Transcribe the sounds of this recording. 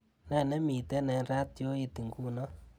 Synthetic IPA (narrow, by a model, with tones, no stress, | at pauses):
nɛ˦˨nɛ˦mi˨t̪ɛ˦nɛ˨nɾa˦t̪jo˦i˧t̪i˨ŋɡu˦nɔ˦